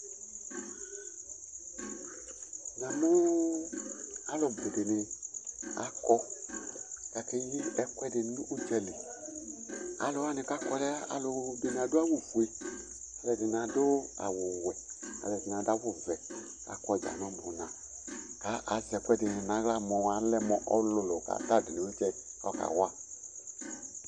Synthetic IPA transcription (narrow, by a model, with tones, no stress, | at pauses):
na˨mʊ˦ | a˨lo˨be˨de˨nɪ˨ | a̰˨kɔ˧ | ka˨ke˦ji˦ɛ˦kwɛ˦de˨n˨˦nu˦ʔo˦t͡ʃɛ˨lɪ˨ | a̰˨lo˨a˦nɪ˨ka˦kɔ˨˦lɛ˦a̰˨lʊ˨˧be˨n˨a˨dʊ˦a˦wu˨vu˨e˨ | a˨lɛ˨dɪ˨n˨a˨do˦a̰˨wʊ˨wɛ˨a̰˨lɛ˨di˨n˨a˨da˦wu˦˨vɛ˨ | a̰˨kɔ˧˨d͡ʒa̰˨nɔ˦bu˨nã˨ | ka˨˦ʔa˨zɛ˨kʷɛ˦de˨nɪ˨na˨˦ɣla˦mɔ˨wa˨lɛ˦mɔ˨ʔɔ˦lo˧lo˨ka̰˨ta˦˨di˨ni˨˦o˦t͡ʃɛ˧ɔ̰˦˨ka̰˨wa˦˨